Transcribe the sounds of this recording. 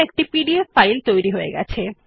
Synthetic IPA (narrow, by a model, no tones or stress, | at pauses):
ek̚ʈipiɖiefajlt̪ojɾiɦoeɡɛ̰t͡ɕʰe